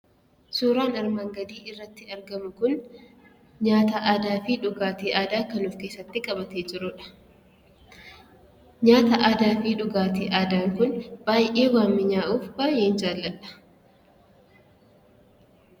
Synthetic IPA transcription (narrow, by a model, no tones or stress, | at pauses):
suːɾaːnɐɾmaːŋɡɐd̪iːʔɪrːɐt̪ːɪɐɾɡɐmʊkʊn | ɲaːt̪ɐʔad̪aːfɪᶑʊɡaːt̪eːʔaːd̪aːkɐnuːfke̞ːsːɐt̪ːɪkʼɐbɐt̪eːd͡ʒɪɾʊᶑɐ̥ | ɲaːt̪ɐʔaːd̪aːfɪᶑʊɡaːt̪eːʔaːd̪aːŋkʊnb̥aːjʔeːwaːmːɪɲaːʔuːfbaːjeːnd͡ʒaːlːɐlɐ̥